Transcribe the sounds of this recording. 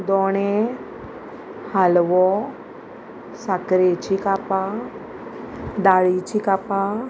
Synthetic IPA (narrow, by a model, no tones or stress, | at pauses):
d̪ɔːɳ̃e | halʋɔ | sakɾet͡ʃikapa | ɖ̪aːɭit͡ʃikapa